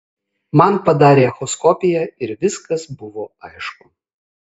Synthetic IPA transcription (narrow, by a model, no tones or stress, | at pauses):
mɐnpɐd̪ɑːɾʲeɐxɔskɔpʲɪjɛɪɾʋʲɪskɐsbʊʋoːɐɪʃkʊ̥